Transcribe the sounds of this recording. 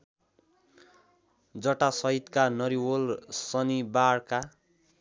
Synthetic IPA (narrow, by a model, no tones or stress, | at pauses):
d͡zʌʈasʌɦit̪kanʌɾiwolsʌnibaɽka